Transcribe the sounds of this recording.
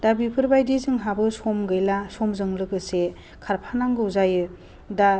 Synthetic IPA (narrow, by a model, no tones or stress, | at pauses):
dabipʰɯɾbajdizɯŋɦabɯsɔmɡɯjlasɔmzɯŋlɯkɯse | kʰaɾpʰanaŋɡɯwzajɯ | da